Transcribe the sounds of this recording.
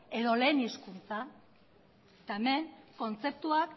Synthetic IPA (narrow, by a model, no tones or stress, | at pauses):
e̞ðo̞le̞ːniskunt͡sa | t̪aeme̞ŋko̞nt͡se̞p̚t̪uak